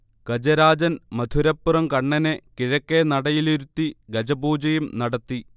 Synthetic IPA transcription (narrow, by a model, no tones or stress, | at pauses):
ɡ̥ɐd͡ʑɐɾaːd͡ʑɐnmɐd̪ʱuɾɐpːurɐmkɐɳːɐnekiɻɐkːenɐɽɐjiliɾut̪ːiɡɐd͡ʑɐbuːd͡ʑɐjumnɐɽɐt̪ːi